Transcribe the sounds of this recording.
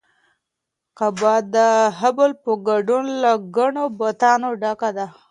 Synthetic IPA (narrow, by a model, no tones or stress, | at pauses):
qabɑd̪ːəɦabəlpoɡaɖunlaɡaɳobat̪ɑnoɖakad̪a